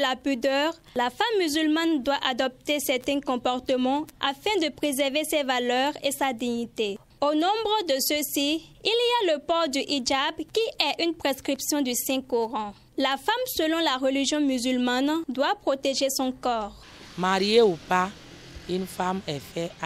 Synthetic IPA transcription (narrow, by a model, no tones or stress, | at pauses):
lapyd̪œːʁ | lafamːyzylmand̪waʔad̪ɔp̚t̪esɛʁt̪ɛ̃kɔ̃pɔʁt̪əmɑ̃afɛ̃d̪əpχezɛʁvesɛvalœʁesad̪iɲit̪e | onɔ̃bʁəd̪əsəsiilialəpɔʁd̪yʔid͡ʒabkiʔɛʔynpχeskχipsjɔ̃d̪ysɛ̃kɔʁɑ̃ | lafamsəlɔ̃laʁəliʒjɔ̃myzylmand̪wapχot̪eʒesɔ̃kɔːʁ | maʁieupa | ynfamɛfɛ